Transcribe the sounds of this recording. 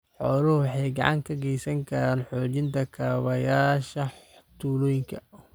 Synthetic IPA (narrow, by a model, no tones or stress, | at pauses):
ħɔːlʊhʊwħɑjɡɑʕɑ̰ŋkʰɐɡɛjsɐŋkʰɐɾaːnħɔːt͡ʃɪnt̪ʰɐkʰaːβɐjaːʃɐt̪ʰuːlɔːjɪŋkʰɐ